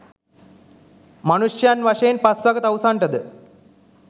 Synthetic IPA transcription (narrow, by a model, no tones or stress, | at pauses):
mɐnuʂjaːnʋɐʂɐjnpɐsʋɐɡɐt̪ɐʋsaːɳɖɐðɨ